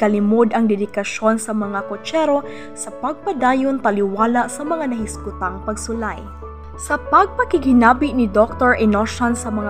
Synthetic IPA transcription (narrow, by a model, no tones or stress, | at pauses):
kɐlɪmod̪ɐŋd̪ɛd̪ɪkɐʃo̞nsɐmɐŋakot͡ʃɛɾo̞ | sɐpɐɡ̚pɐd̪aːjont̪ɐlɪwaːlasɐmɐŋanɐhɪskʊt̪aŋpɐɡsʊlaj | sɐpɐɡ̚pɐkɪɡhɪnaːbɪʔnɪd̪ok̚t̪oɹʔɛnoʃansɐmɐŋa